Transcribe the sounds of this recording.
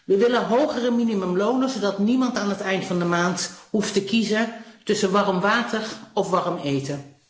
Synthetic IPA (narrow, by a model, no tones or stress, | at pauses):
ʋəʋɪlənɦowχərəminimɵmlownəzodɑtnimɑntaːnɦətɛjntfɑndəmaːntɦuftəkizətɵsəʋɑrəmʋaːtəɹɔfʋɑrəmejtə